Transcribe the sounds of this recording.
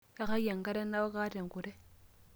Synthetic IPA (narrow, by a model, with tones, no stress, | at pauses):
ja˦ka˦ja˨ŋka˦ɾe˦nːa˦wa˦ka˦te˨m˨ku˨ɾe˦